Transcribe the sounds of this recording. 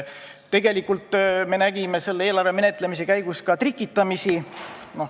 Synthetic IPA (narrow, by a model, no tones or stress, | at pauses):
t̪e̞ɡ̥e̞likult̪ːˑme̞næɡ̥ime̞se̞lːeeːlɑrveme̞net̪ˑle̞mis̬e̞kæjɡ̥uskɑt̪rikːˑit̪ːˑɑmisino